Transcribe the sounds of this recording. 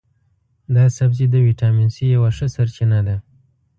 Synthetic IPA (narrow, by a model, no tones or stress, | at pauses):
d̪ɑsabzid̪əwiʈɑminsijawaʂəsaɾt͡ʃɪnad̪a